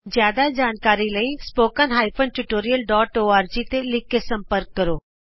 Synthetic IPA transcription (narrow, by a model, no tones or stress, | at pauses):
zjaːd̪ad͡ʒaːnkaːɾiləispoːkãnɦaːipʰənʈʊʈoːɾijəlɖɔːʈoːaːɾd͡ʒit̪elɪkesɐ̃mpəɾkːəɾoː